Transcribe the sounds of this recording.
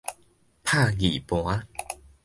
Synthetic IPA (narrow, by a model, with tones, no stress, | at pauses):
pʰa˥˧ɣḭ˨˩pw̃a˦